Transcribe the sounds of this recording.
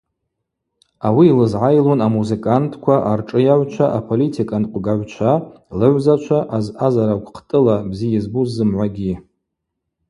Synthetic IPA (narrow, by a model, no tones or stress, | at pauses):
awiːlɨzʕajlonamuzekʼantʰkʷʰaʔarʈ͡ʂʼɨjaʕʷt͡ʃʷʰaʔapʰolitʰikʼanqʷʼɡaʕʷt͡ʃʷʰa | lɨʕʷzat͡ʃʷʰaʔazazaɾakʷʰʼqʰtʼɨlabzijazbuzːɨmʕʷaɡʲi